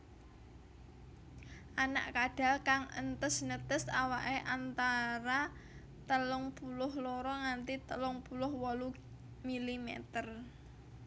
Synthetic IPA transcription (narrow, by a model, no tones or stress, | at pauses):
ʔana̰ʔkaɖ̥a̤lkaŋə̰nt̪əsnət̪əsawaʔeʔant̪aɾa | t̪əlʊŋpulʊhlɔɾɔŋant̪it̪əlʊŋpulʊhwɔlu | milimḛt̪ər